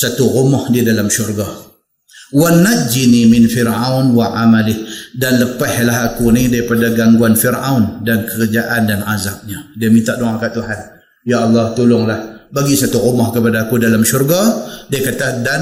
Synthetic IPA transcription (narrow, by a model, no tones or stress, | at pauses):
sat̪uʔumɔhdiadalamʃurɡa | wanad͡ʒinimɪnfɪrawnwaʔamalɪhdanləpahlaɦakunidaɾipadaɡaŋɡuanfirawndankəkəd͡ʒaʔandanazak̚ɲadiəmint̪aʔdoŋaŋkaʔt̪uɦan | jaɑlˠːɑht̪ulʊŋlahbaɡisat̪uʔumɔhkəpadaːkudalamʃurɡadiakat̪adan